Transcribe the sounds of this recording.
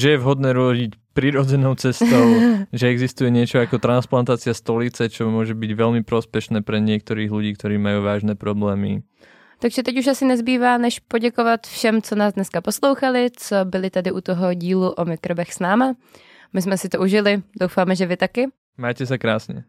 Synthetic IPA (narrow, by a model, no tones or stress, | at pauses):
ʒɛjɛvɦɔd̪nɛːɾʊɔɟicpɾiɾɔd͡zɛnɔʊt͡sɛst̪oʊʒɛɛɡzist̪ujɛɲɪɛt͡ʃɔakɔt̪ɾansplant̪aːt͡sɪast̪ɔlit͡sɛt͡ʃɔmʊɔʒɛbiɟʋɛlmipɾɔspɛʃnɛːpɾɛɲɪɛk̚t̪ɔɾiːɣluɟiːkt̪oɾiːmajuːʋaːʒnɛːpɾɔblɛːmḭ | t̪aɡʒɛt̪ɛcuʃasɪnɛzbiːvaːnɛʃpoɟɛkovat̪fʃɛmt͡sonaːzd̪nɛskaposloʊwxalɪt͡sobɪlɪt̪adɪʔut̪oɦoɟiːluʔomɪkɾobɛxsnaːma | mɪzmɛsɪt̪ouʒɪlɪd̪owfamɛʒɛvɪt̪akɪ | maːcɛsakɾaːsɲɛ̰